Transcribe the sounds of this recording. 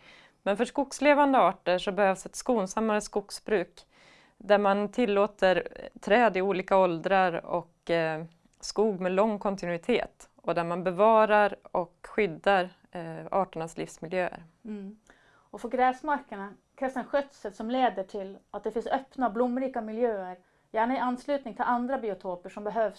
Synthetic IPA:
mɛnfœʂkʊksleːvand̪əɑːʈəʂɔbɛhøːvsɛt̪skuːnsamːaɾəskʊksbɾʉ̟ːk | d̪æɾmant̪ʰɪlːoːt̪əɾt̪ʰɾɛːd̪ɪuːliːkaɔld̪ɾaɾɔ̰k | skuːɡmɛlɔŋːkʰɔnt̪ɪnʉɪt̪ʰḛːt̪ | ɔd̪æɾmanbɛvɑːɾaɾɔkɧʏd̪ːaɾ | ɑːʈəɳaslɪ̰fsmɪljøːə̰ɾ | ɔfɔɾɡɾɛːsmaɾkəɳa | kʰɾɛsɛnɧœt̪sət̪sɔmleːd̪əʈʰɪlat̪̚d̪ɛfɪnsœpnaɔblʊmːɾiːkamɪljøːəɾ | jæːɳaɪanːslʉ̟ːt̪nɪŋt̪ʰɪland̪ɾabɪʊt̪ʰoːpəʂɔmbɛɦøːvs

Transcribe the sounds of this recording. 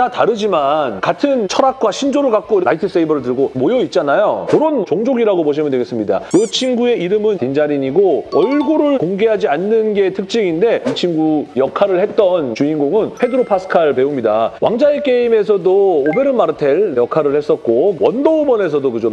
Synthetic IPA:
ataɾɯd͡ʑimankatʰɯnt͡ɕʰʌɾak̚k͈waɕʰind͡ʑoɾɯɭkak̚k͈oiɾaitʰɯs͈eibʌɾɯɭtɯɭɡomojoit̚t͡ɕ͈anajo̰kɯɾʌnt͡ɕoŋd͡ʑoɡiɾaɡoboɕ̬ʰimjɯndweɡes͈ɯmɲida̰jʌt͡ɕʰiŋɡue̞iɾɯmɯntind͡ʑaɾiɲiɡoʌɭɡoɾɯɭkoŋɡe̞ɦad͡ʑianːɯnɡe̞tʰɯk̚t͡ɕ͈iɡinde̞t͡ɕʰiŋɡujʌkʰaɾɯɭhe̞t̚t͈ʌnt͡ɕuinɡoŋɯnpʰe̞dɯɾopʰas͈ʰɯ̥kʰaɭpe̞umɲida̰wa̰ŋd͡ʑaek͈e̞ime̞sʰʌdoobe̞ɾɯnmːaɾɯtʰe̞ɭjʌkʰaɾɯɭhe̞s͈ʌt̚k͈owʌndoobʌnesʰʌdokɯd͡ʑo

